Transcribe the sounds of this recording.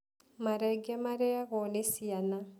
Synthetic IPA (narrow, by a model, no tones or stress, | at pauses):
maɾɛɡɛmaɾɛaɣɔnesiana